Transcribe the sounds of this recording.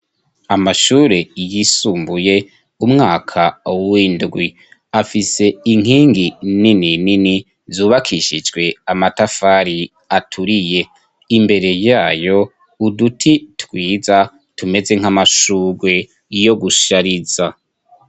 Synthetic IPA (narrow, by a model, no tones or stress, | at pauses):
amaʃuːɾe̞jisuːmbuje̞ | umŋaːkʰawwiːndɡwi | afise̞iŋ̥iːŋɡinininini | zuːβakʰiʃid͡ʒɡwe̞amatafaːɾi | atʰuɾije̞ | imbe̞ɾe̞jaːjo̞ | udutʰitwiːza | tume̞ze̞ŋ̥hamaʃuːɡwe̞ | jo̞ɡuʃaɾiz̥a